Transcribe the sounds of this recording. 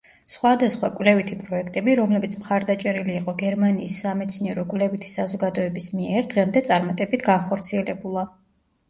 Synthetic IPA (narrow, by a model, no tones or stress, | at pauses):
sχwad̪asχwakʼwlɛvit̪ʰipʼɾɔɛkʰt̪ʼɛbiɾɔmlɛbit̪sʰmχaɾd̪at͡ʃʼɛɾiliːqʼɔɡɛɾmaniːsːamɛt̪sʰniɛɾɔkʼwlɛvit̪ʰi̥sazɔɡad̪ɔɛbismiɛɾd̪ʁɛmd̪ɛt̪sʼaɾmat̪ʼɛbit̪ʰɡanχɔɾt̪sʰiɛlɛbulˠa